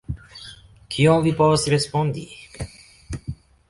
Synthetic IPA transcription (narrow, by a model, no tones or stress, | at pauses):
kʰiõw̃vipɔsɾespõnd̪ḭ